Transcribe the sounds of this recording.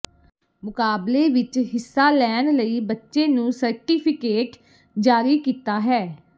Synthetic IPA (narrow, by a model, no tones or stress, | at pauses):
mʊkaːbleːʋɪt͡ʃɦɪsːaːlɛːnləiːbətːʃeːnũːsəɾʈiːpʰɪkeːʈ | d͡ʒaːɾiːkiːt̪aːɦɛː